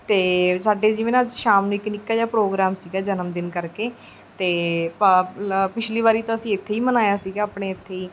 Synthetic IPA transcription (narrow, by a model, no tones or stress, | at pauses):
t̪eːsaːɖeːd͡ʒɪʋeːnãːd͡ʒʃaːmnũːɪkːnɪkːaːjaːpɾoːɡɾaːmsiːɡaːd͡ʒənəmd̪ɪnkəɾkeː | t̪eːppɪt͡ʃʰliːʋaːɾiːt̪ãːəsĩːɪt̪ʰːeːiːmənaːjaːsiːɡaːaːpɳeːɪt̪ʰːeːiː